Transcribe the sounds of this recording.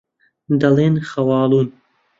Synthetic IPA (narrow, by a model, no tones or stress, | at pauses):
d̪ɐleːnxɐwɑːlˠuːn